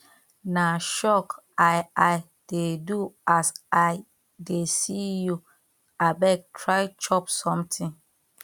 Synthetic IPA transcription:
naʃɔkaɪaɪ | d̥eduasa | desiju | abɛk̚tʰɹaɪt͡ʃɔpsɔ̃mtʰĩŋ

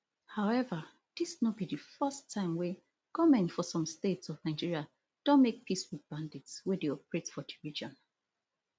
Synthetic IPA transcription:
haʊɛvə | d̥isnɔt̚bidɨfɜstʰːãɪ̃mwɛ | kɔmɛ̃nfɔsɔ̃mstetsɔvnaɪd͡ʒiɹia | d̥õnmek̚pʰiswiðbãnditswɛdeɔpəɹetfɔdivid͡ʒɔ̃n

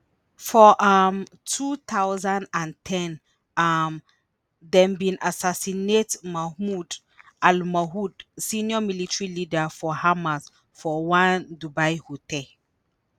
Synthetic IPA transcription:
fɔʔam | tʰut̪ʰawzãndãntʰɛ̃n | am | dɛ̃mbĩnasasinetmahmud | almaɦudsĩnjɔmilitɹilidafɔhamaz | fɔwãndubajhotʰɛl

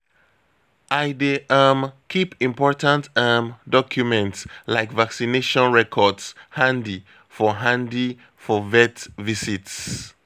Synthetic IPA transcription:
ʔaɪdiʔamkʰipĩmpɔɹtãntamdɔkʰjumɛ̃ntslaɪkvaksineʃɔ̃nɹɛkʰɔdshãndi | fɔɦãndi | fɔvɛtvisits

